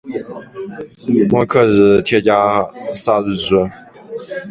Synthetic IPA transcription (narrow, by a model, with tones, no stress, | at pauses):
mwɔ˥˧kʰɤ˥˩ɻ̩˨˩t̪ʰjɛ˥˩t͡ɕja˥sa˥˧ɻ̩˥˩ʈ͡ʂɻ̩˥